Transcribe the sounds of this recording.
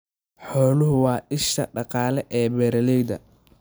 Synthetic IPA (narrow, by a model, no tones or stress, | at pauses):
ħɔːlʊɦʊwɑːʔɪʃɐɖɑqɑːlɛʔɛːbɛɾɐlɛjd̪ɐ̰